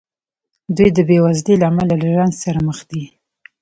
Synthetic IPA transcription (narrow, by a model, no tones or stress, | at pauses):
d̪ujd̪əbewazd̪elaamalalaʒanzsaɾaməxd̪i